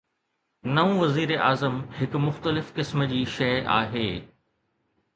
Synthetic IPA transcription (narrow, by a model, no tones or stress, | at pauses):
nɐũʋɐziːɾeʔaːzəmhɪkmʊxt̪əlɪfkɪsməd͡ʑiːʃɐːʔa̰ːɦeː